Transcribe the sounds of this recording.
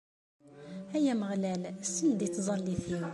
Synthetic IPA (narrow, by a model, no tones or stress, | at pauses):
æjæməʁlælsənd̪it̪ːzˤɑlːiθiw